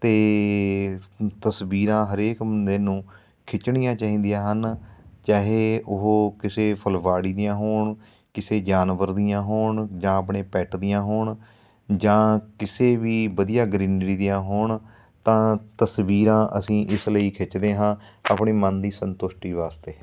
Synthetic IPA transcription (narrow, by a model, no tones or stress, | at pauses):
t̪eː | t̪əsbiːɾãːɦəɾeːkmənd̪eːnũː | kʰɪt͡ʃɳɪjãːt͡ʃaːɦĩːnd̪ijãːɦənt͡ʃaːɦeːʊɦoːkɪseːpʰəlʋaːɽiːd̪ɪjãːɦoːɳ | kɪseːd͡ʒaːnʋəɾd̪ɪjãːɦoːɳd͡ʒãːaːpɳeːpɛːʈd̪ɪjãːɦoːɳ | d͡ʒãːkɪseːʋiːbəd̪ijaːɡɾiːnɽiːd̪ɪjãːɦoːɳ | t̪ãːt̪əsʋiːɾãːʔə̰sĩːʔɪsləiːkʰɪt͡ʃd̪eːɦãːa̰ːpɳeːmənd̪iːsənt̪ʊʃʈiːʋaːst̪eː